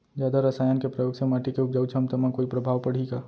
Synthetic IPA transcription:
d͡ʒjaːd̪aɾɐsaːjankepɾɐjoːɡsemaːʈikeʊp̚d͡ʒaːut͡ʃʰɐmt̪ɐmãkoːipɾɐbʱaːʋpɐɽ̤iɡaː

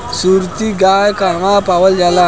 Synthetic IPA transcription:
suɾt̪iɡajkamapaʋəld͡ʒala

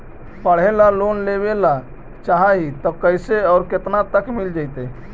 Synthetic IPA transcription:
pəɽ̤elalonlebela | t͡ʃaɦaɦit̪əkəɪseɔːɾket̪nat̪əkmild͡ʒaɪt̪e

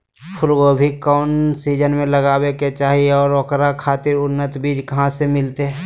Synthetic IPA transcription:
pʰʊlɡobʱikɔːnsiːd͡ʒənmẽləɡaːweket͡ʃaːɦiɔːɾɔːkɾakʰaːt̪ɪɾʊnːət̪biːd͡ʒkɐɦãsemɪlt̪eɦɛ

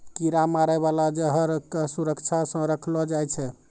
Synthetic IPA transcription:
kiɾamaɾəβalad͡ʒeɦəɾkesuɾəkt͡ʃʰasə̃ɾəkʰlɔd͡ʒajt͡ʃʰɛ

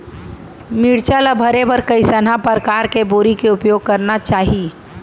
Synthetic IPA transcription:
miːɽt͡ʃalabʱəɾebəɾkəisənãpəɾkaːɾkeboːɾikeʊpjoːɡ̚kɐɾnat͡ʃaːɦi

